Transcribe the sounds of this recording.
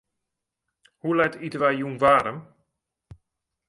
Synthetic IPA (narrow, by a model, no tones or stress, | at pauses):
hulɛtʰitʋajjunvaːɾəm